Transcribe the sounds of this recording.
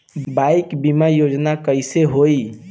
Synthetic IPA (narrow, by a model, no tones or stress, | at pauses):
bajkbimajod͡ʒnakəɪseɦoi